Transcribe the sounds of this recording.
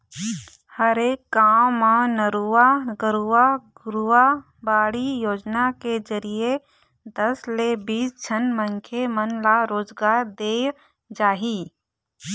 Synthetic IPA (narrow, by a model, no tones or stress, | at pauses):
həɾeːkːaːmmãnəɾuaɡəɾuaɡɾua | baːɽijoːd͡ʒnakezəɾije | d̪ɐslebiːsd͡ʒʱənmə̃ŋkʰemənlaɾoːd͡ʒɡaːɾd̪eː | d͡ʒaːɦiː